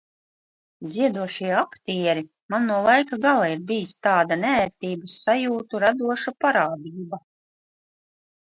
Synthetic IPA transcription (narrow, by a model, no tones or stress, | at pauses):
d̪ziɛd̪uɔʃiɛɛakt̪iɛɾi | manːuɔlˠajkaɡalˠaiɾbijist̪aːd̪anæːɾt̪iːbasːajuːt̪uɾad̪uɔʃapaɾaːd̪iːba